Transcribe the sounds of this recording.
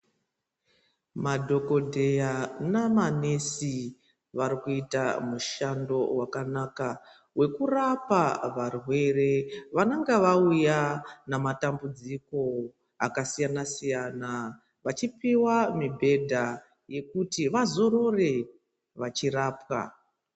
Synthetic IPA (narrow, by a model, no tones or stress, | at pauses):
madʱo̞ko̞dʱe̞janamane̞si | ʋaɾikuitamuʃando̞wakanaka | we̞kurapaʋarwe̞re̞ʋanaŋɡaʋaujanamatambud͡ziko̞ | a̰kasijanasijana | ʋat͡ʃipiwamibʱe̞dʱa | je̞kutiʋazo̞ɾo̞re̞ | ʋat͡ʃiraːpwa̰